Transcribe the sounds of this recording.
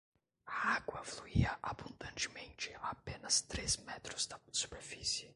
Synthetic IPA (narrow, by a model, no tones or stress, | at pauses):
aaɡwɐfluiɐʔabũnd̪ɐ̃nt͡ʃɪmẽnt͡ʃɪapẽnɐst̪ɾezmɛt̪ɾʊzd̪ɐsu̥peɾfisɪ